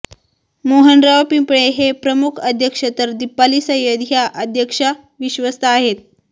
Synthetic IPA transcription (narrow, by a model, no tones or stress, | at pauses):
moɦənɾaʋpimpɳeɦepɾəmukʰəd̪ʱjəkʂət̪əɾd̪ipːalisəjəd̪jaʔəd̪ʱjəkʂə | ʋiɕʋəst̪aːɦet̪̚